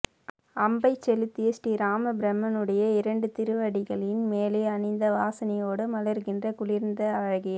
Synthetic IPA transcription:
ɐmbɐɪt͡ʃːɛlɯt̪ːɪjɐsʈiɾaːmɐbɪɾɐmːɐnɯɽɐjɐɪɾɐɳɖɯt̪ɪɾɯʋɐɽɪɣɐɭɪnmeːleːɐnɪnd̪ɐʋaːsɐnɪjoːɽɯmɐlɐɾɣɪndrɐkʊlɪɾnd̪ɐɐʋɐɣɪjɐ

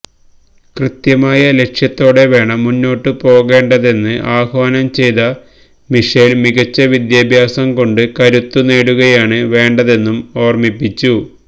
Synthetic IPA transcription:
krɨt̪jɐmaːjɐle̞kʂjɐt̪ːo̞ːɽe̞ʋe̞ːɳɐmːunːo̞ːʈːɨpo̞ːɣe̞ːɳɖɐðe̞nːɨʔaːhʋaːnɐmt͡ɕe̞jt̪ɐ | miʂelmiɣɐt͡ɕːɐʋid̪jaːbʱjaːsɐmko̞ɳɖɨkɐɾut̪ːuneːɽuɣɐjaːɳɨʋe̞ːɳɖɐðe̞nːumo̞ːrmipːit͡ɕːu

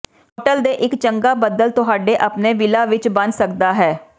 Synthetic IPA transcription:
ɦoːʈəld̪eːʔɪkt͡ʃəŋɡaːbəd̪əlt̪ʊɦaːɖeːʔəpneːʋɪlaːʋɪt͡ʃbənsək̚d̪aːɦɛː

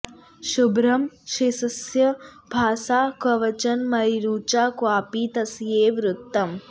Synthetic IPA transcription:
ʃubɾɐmʃisɐsjɐbʱaːsaːkɐʋɐt͡ʃɐnmɐiɾuːt͡ʃaːkwaːpiːt̪ɐsjeːʋɾut̪ːɐm

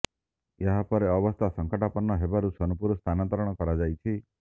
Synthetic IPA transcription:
eɦapɔɾeɔbɔst̪ʰasɔŋkɔʈapɔnːɔɦebaɾusɔnupuɾɔst̪ʰanant̪ɔɾɔɽ̃ɔkɔɾad͡ʒajt͡ʃʰi

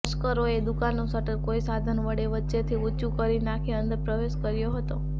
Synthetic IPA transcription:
ʃkəɾoed̪ukanːũsəʈəɾkoisad̪ʱənʋəɽeʋətːʃet̪ʰiut͡ʃukəɾinakʰiənd̪əɾpɾəʋeʃkəɾjoɦət̪o

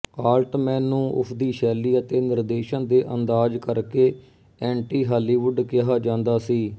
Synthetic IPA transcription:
aːlʈmɛ̃ːnũːʔʊ̰pʰd̪iːʃɛːlːiːət̪eːnɪɾd̪eːʃənd̪eːʔənd̪aːd͡ʒkəɾkeː | ɛ̃ːɳʈiːɦaːliːʋʊɖkɪɦaːd͡ʒãːnd̪aːsiː

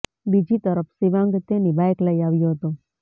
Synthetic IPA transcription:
bid͡ʒit̪əɾəfʰsiʋãŋɡt̪enibʱajəkləiaʋjoɦət̪o

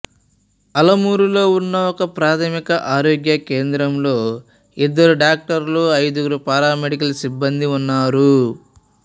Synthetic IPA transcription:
ɐlɐmuːɾulo̞ːunːɐɔkɐpɾaːt̪ʰɐmikɐʔaːɾoːɡjɐkeːnd̪ɾɐmlo̞ː | id̪ːɐɾuɖaːk̚ʈɐɾloːɐjd̪uɡɐɾupaːɾaːmeɽikɐlsibːɐnd̪iunːaːɾu

